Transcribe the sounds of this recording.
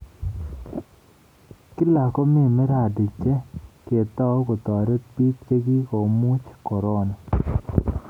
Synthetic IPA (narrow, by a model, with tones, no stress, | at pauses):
kɪ˦la˨kɔ˦mɪ˦˨mɪ˦ɾa˨dɪ˨t͡ʃɛ˦ke˨t̪ɔ˦ko˨t̪ɔ˨ɾe˦t̪pi˦k̚t͡ʃe˦ɡi˦ko˨mu˦t͡ʃkɔ˨ɾɔ˦nɔ˨